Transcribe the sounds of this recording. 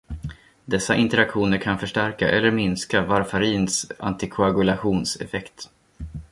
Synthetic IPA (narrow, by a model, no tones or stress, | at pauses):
d̪ɛsːaʔɪnt̪əɾakɧuːnəɾkʰanfœʂʈæɾka̰ʔɛlːəɾmɪnskavaɾfaɾiːnsa̰nt̪ɪkʰʊaɡɵlaɧuːnsɛ̰fɛkt̪